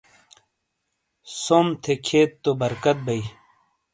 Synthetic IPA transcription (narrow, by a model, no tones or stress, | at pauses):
somt̪ʰekʰeːt̪ːobɐɾkɐt̪̚bɐi